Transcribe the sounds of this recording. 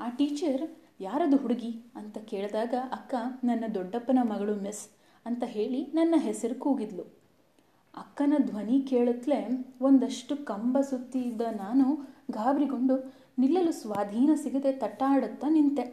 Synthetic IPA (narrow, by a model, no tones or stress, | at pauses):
aːʈiːt͡ʃɐɾ | jaːɾɐd̪uɦuɽuɡiɐnt̪ɐkeːɭd̪aːɡɐʔɐkːɐnɐnːɐd̪ɔɖːɐpːɐnɐmɐɡɐɭumis | ɐnt̪ɐɦe̞ːɭinɐnːɐɦesɐɾukuːɡid̪lu | ɐ̰kːɐnɐd̪ʱʋɐnikeːɭut̪le̞ond̪ɐʂʈukɐmbɐsut̪ːid̪ɐnaːnuɡʱaːbɾiɡo̞ɳɖu | nilːɐlusʋaːd̪ʱiːnɐsiɡɐd̪e̞t̪ɐʈːaːɽɐt̪ːɐnint̪e̞